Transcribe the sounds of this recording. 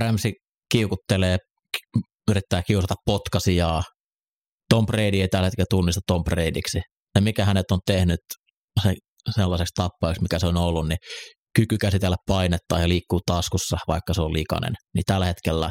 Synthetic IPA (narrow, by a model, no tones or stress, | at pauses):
ræmsi | kiukut̪ːeleː | yɾit̪ːæːkiusɑt̪ɑppot̪kɑsijɑː | t̪ompreidieit̪ælhet̪kelt̪unːist̪ɑt̪ompreidiksi | semikæhænet̪ont̪ehnyt̪ | se | selːɑsekst̪ɑpːɑiksmikæseonolːunni | kykykæsit̪elːæppɑinet̪ːɑːjɑliːkːuːt̪ɑskusːɑʋɑikːɑseollikɑ̰nḛnnit̪ælːhet̪kelːæ̰